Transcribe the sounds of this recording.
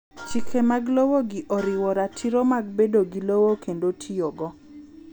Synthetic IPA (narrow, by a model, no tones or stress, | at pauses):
t͡ʃikʰemaɡlowoɡɪʔɔɾɪwɔɾatʰiɾomaɡ̚bedoɡilowokʰendotʰijoɡɔ